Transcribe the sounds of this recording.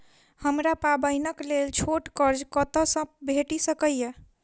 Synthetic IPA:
həmɾapabəjnəklelt͡ʃʰoʈkəɾd͡ʒkət̪əsə̃bʱeʈisəkəjje

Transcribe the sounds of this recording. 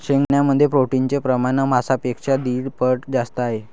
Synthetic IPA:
ɕeŋɡɳjaməd̪ʱːjepɾoʈint͡sepɾəmaɳəmasapekʂad̪iːɽpəʈd͡zast̪əaɦe

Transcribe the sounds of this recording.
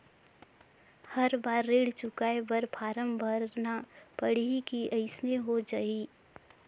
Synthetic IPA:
həɾbaːɾːeːɽt͡ʃʊkaːebəɾpʰaːɾəmbʱəɾnapəɽ̤ikiʔəɪsneɦod͡ʒaːi

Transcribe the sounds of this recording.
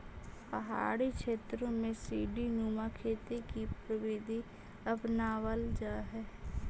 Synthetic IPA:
pəɦa̰ːɽikʃeːt̪ɾõmẽsiːɖinuːmakʰeːt̪ekipɾəʋɪd̪ʱi | əpnaːʋəld͡ʒaːɦɛː

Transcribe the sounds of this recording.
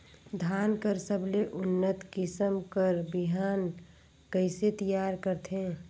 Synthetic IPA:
d̪ʱaːnkəɾsəbʱleʔʊnːət̪kɪsəmkəɾbiɦaːn | kəɪset̪əjaːɾkəɾt̪ʰẽː

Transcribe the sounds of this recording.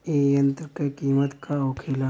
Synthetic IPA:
eːjɐnt̪ɾkekiːmət̪kaoːkʰeːla

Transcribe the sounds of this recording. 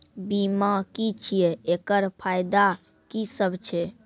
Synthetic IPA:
bimakit͡ʃʰijeekəɾpʰajd̪a | kisəbt͡ʃʰe

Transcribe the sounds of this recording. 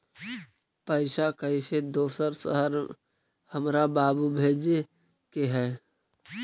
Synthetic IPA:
pəɪʃakəised̪oːsəɾsə̰ɦəɾ | həmɾabaːbubʱeːd͡ʒ | keɦɛː

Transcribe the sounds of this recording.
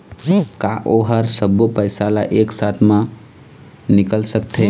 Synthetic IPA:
kaʔoɦəɾsəbupəɪsalaʔeːksat̪ʰmã | nɪkəlsək̚t̪ʰe

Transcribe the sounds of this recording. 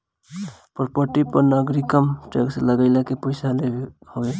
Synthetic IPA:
pɾopəɾʈipəɾnaɡɾikəmʈeksləɡəɪlakeposalehowe

